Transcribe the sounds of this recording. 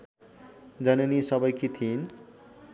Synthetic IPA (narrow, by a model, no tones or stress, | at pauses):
d͡zʌnenisʌbʌjkit̪ʰin